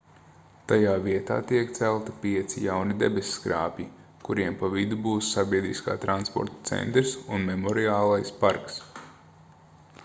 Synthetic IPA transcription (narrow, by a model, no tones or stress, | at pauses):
t̪ajaːviɛt̪a̰ːt̪iɛkt̪sælˠt̪i̥pʲiɛt̪sijawnid̪ḛbesʲskɾa̰ːpʲji | kuɾiɛmpavid̪ubuːsːabʲiɛd̪ɾiska̰ːt̪ɾanspɔ̰ɾt̪ḁt̪sɛ̰nt̪ɾsunmemɔɾiaːlˠajspaɾks